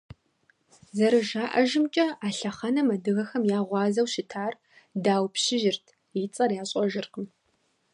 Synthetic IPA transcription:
zɐɾɨʒaːʔɐʒɪmt͡ʃʼɐaːɬɐχɐnɐmɐdɨɣɐxɐmjaːʁʷɑːzɐwʃɪtʰaːr | daːwpɕɪʒɪrtʰ | it͡sʼɐrjaːɕʼɔʒɪrqəm

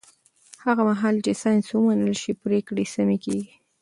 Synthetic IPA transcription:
haɣamaɦɑlt͡ʃesɑjnswəmanəlʃipɾekɽesamikeɡi

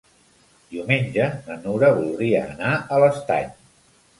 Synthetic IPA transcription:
d̪iwmenʲd͡ʒənənuɾəβulˠd̪ɾiəːnaələst̪a̰ʎ

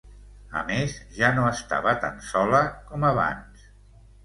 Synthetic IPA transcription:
ə̰mezʒanoəst̪a̰βət̪a̰nsɔləkɔməβa̰ns

